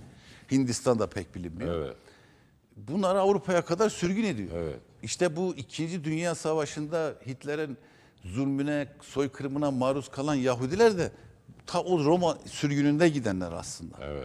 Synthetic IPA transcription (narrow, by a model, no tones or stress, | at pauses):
hind̪ist̪ʰand̪apʰɛc̚bilʲimːijo̰ | bunlˠaɾɯavɾupʰajakʰad̪aɾsyɾɟyne̞d̪ijoɛ̰ | iʃt̪ʰɛbuicʰind͡ʒid̪ynjaːsavaʃɯnd̪ahit̪ʰlʲeɾin | zulʲmynɛso̞jkʰɯɾmɯnamaːɾuskʰalˠanjaɦud̪ilʲæɾd̪ɛt̪ʰaʔoɾomasyɾɟynynd̪ɛɟid̪ænlʲæɾa̰slˠɯnd̪a̰